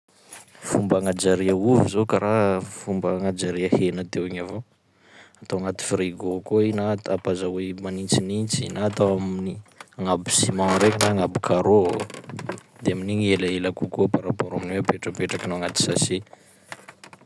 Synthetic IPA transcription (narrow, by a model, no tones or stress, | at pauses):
fumbaŋad͡ʒaɾiəuvizokaɾʔafumbəŋad͡ʒaɾiəhenət̪ewiɲavo | at̪owaŋat̪i̥friɡokoinat̪apazawemanint͡sinint͡sinat̪awaminiaŋabi̥simãɾekinaŋabi̥kʰaɾo | d̪eaminiɲelaelakukuapaɾapoɾaminweapeʈ͡ʂəpeʈ͡ʂakinoaŋat̪i̥sasi